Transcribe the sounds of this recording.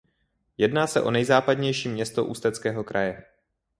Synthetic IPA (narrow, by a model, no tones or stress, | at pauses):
jɛdnaːsɛʔo̞nɛjzaːpadɲɛjʃiːmɲɛst̪oʔṵst̪ɛt͡skɛːɦo̞kɾajɛ